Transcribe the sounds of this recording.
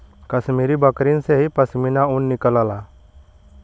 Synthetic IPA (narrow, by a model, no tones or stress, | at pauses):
kəsmiːɾibəkɾinseɦipəsminaʊnːɪkəlaːlaː